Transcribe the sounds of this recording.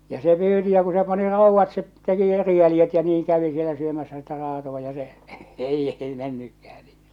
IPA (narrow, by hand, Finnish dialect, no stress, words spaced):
jɑ se pyːti jɑ ku se pɑni rɑˑuʋːɑt se teki eri jæljet jɑ niːŋ kæʋi sielæ syømæsˑæ sitæ rɑːtoʋ̆ɑ jɑ se ei ei menːykːæhæ̥ n̥i̥